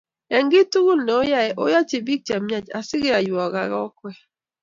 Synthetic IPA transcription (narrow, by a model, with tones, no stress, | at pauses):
ɛ˨ŋɡɪ˦tu˦ɡu˦lnɛ˨o˦ja˦ɛ˨ʔo˦ja˦t͡ʃɪ˨bi˦k̚t͡ʃa˨mja˦t͡ʃa˨sɪ˦ɡɪ˦a˨jwɔ˨ɡa˨ɾɔ˦kwɛ˦